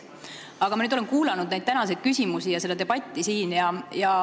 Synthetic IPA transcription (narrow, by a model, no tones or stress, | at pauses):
ɑɡ̥ɑmɑnyd̪olenkuːlɑnud̪̥̚næjd̪̚t̪ænɑsejd̪̥̚kysʲimusijɑse̞d̪ɑd̪e̞b̥ɑt̪ʲːˑisiːnjɑjɑ